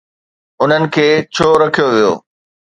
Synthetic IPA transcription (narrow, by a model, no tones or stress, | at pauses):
ʊn̤ənɪ̆kʰeːt͡ɕʰoːɾɐkʰijoʋijo̰ː